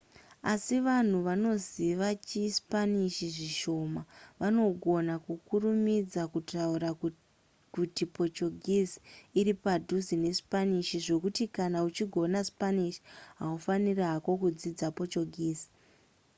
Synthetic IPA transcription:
a̰siʋan̤uʋano̞ziʋat͡ʃispaniʃiʐiʃo̞maʋano̞ɡʱo̞nakukurumid͡zakutaura | kutipo̞t͡ʃoɡʱizi̥ːɾipadʱuzine̞spaniʃiʐo̞kutikanaut͡ʃiɡʱo̞naspaniʃi̥ɦaufaniraɦako̞kud͡zid͡zapo̞t͡ʃoɡʱiːzi̥

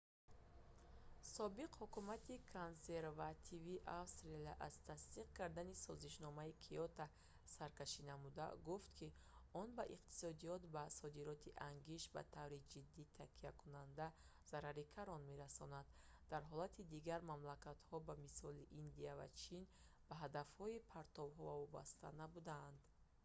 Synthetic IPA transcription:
sɔbiqhukumat̪ikʰonse̞ɾvat̪ʰiviʔafst̪ɾelaʔaz̥t̪ʰasd̪iq̚kaɾd̪anisɔziʃnɔmaikʰiɔt̪ʰa | saɾkaʃinamud̪a̰ɡuft̪kʰi | ɔnbaʔiq̚t̪ʰi̥sɔd̪ijɔt̪basɔd̪iɾɔt̪ʰiʔaŋɡiʃba̰t̪ʰavɾid͡ʒid̪ːit̪ʰakʰiakʰunand̪a | z̥aɾaɾikʰaɾɔnme̞ɾasɔnad̪ | d̪aɾɦɔlat̪ʰid̪iɡaɾmamlakat̪hɔbamisɔliʔːnd̪iava̰t͡ʃʰin | b̥aɦad̪afhɔipʰaɾt̪ʰɔvɦɔvavɔba̰st̪ʰa̰nabud̪aːnd̪

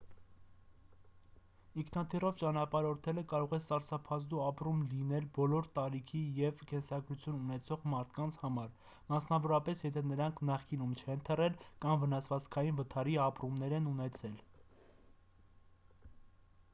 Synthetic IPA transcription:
iŋkʰnɑt̪ʰirɔvt͡ʃɑnɑpɑɾɔɾt̪ʰɛləkɑɾɔʁɛsɑɾsɑpʰɑzd̪uɑpɾumlinɛlbɔlɔɾt̪ɑɾikʰijɛvkɛnsɑɡɾut͡sʰjununɛt͡sʰɔʁmɑɾt̪ʰkɑnt͡sʰhɑmɑɾ | mɑsnɑvɔɾɑpɛsjɛt̪ʰɛnəɾɑŋkʰnɑχkinumt͡ʃʰɛnt̪ʰərɛlkɑmvənɑsvɑt͡skʰɑjinvət̪ʰɑɾiɑpɾumnɛɾɛnunɛt͡sʰɛl

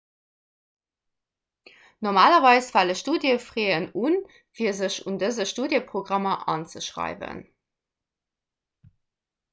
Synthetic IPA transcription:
noʁmaːlɐvɑɪsfɑləʃtuːdjəfʁeːənun | fiːɐzəɕundəzəʃtuːdjəpʁoɡʁɑmɐʔɑːnt͡səʃʁɑ̰ɪvə̰n

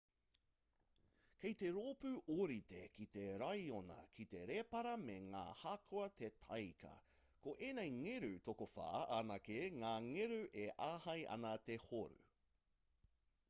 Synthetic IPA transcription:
kejt̪e̞ɾoːpʉʔoɾit̪ekit̪e̞ɾɐjonɐ̰kʰit̪e̞ɾepɐɾɐmeŋa̰ːhakʰoɐt̪ʰet̪ʰɐjkɐ̰ | koʔenejŋeɾʉtokofa̰ːanɐkeŋaːŋeɾʉʔeʔaːhɐjʔɐ̰nɐt̪ehoɾʉ̰

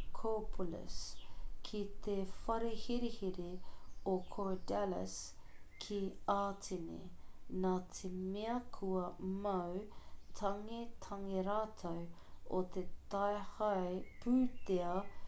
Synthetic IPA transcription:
kʰopʰulə̰skʰit̪ʰefɐɾehiɾihiɾeokʰoɹdɛlɐ̰skʰiaːtʰenḛnaːt̪ʰemeɐkʰuɐmɐwtʰɐŋet̪ʰɐŋeɾaːt̪ʰow | ot̪ʰet̪ɐehɐjpʉːt̪eɐ

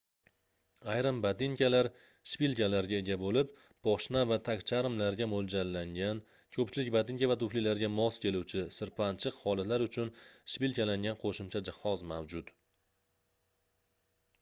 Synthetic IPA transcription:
ajɾɪmbad̪iŋkʲalaɾ | ʃpilkʲalaɾɡʲae̞ɡʲabolɪp | b̥ɒʃnavat̪ʰakʲt͡ʃʰaɾɪmlaɾɡʲamolˠd͡ʒalːaŋɡʲan | kʰɵp̚t͡ʃʰɪlɪkʲbad̪ɪŋkʲavat̪ʊflilaɾɡʲamɒskʲʰe̞luwt͡ʃʰɪsɪɾpʰant͡ʃʰɨqhɒlˠat̪laɾʊt͡ʃʰʊnʃpilkʲalaŋɡʲanqʰoʃʊmt͡ʃʰad͡ʒahɒzmawd͡ʒʊt̪

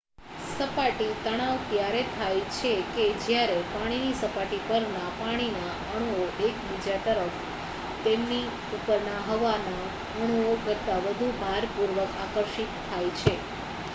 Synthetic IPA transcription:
səpaʈit̪əɽ̃aʋt̪jaɾet̪ʰajt͡ʃʰeked͡ʒjaɾepaɽ̃inisəpaʈipəɾnapaɽ̃ina | əɽ̃uoʔekbid͡ʒat̪əɾəf | t̪emni | upəɾnaɦəʋana | əɽ̃uokəɾt̪aʋəd̪ʱubʱaɾpuɾʋəkakəɾʃit̪ʰːajt͡ʃʰe

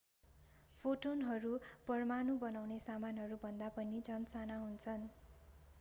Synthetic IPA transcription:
pʰoʈonɦʌɾupʌrmanubʌnawnesamanɦʌɾubʱʌnd̪apʌnid͡zʌnsanaɦunt͡sʰʌn

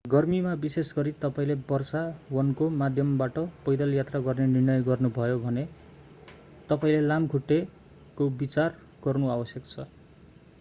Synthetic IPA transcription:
ɡʌrmimabisesɡʌɾit̪ʌpaĩlebʌrsawʌnkomad̪ʱjʌmbaʈʌpʌjd̪ʌljat̪raɡʌrnenirnʌjɡʌrnubʱʌjobʱʌne | t̪ʌpaĩlelamkʰuʈːe | kobit͡sar | ɡ̥ʌrnuabʌsjʌkt͡sʰʌ

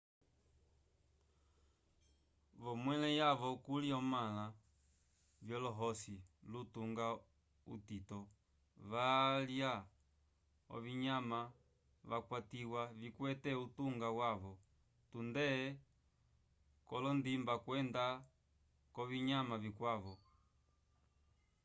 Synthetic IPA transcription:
βɔmwɛlɛjaβɔkuliɔmala | vjɔlɔɦɔsilutuŋɡa | ṵtitɔ | ʋalja | ɔ̰viɲama | βakwatiwavikwɛtɛutuŋɡawaβɔ | tundɛ | kɔlɔndimbakwɛnda | kɔviɲamavikwaβɔ

